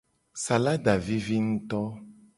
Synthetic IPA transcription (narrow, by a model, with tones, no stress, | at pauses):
sa˨la˦ɖa˨vi˦vi˦ŋ̩̃˦t̪ɔ˦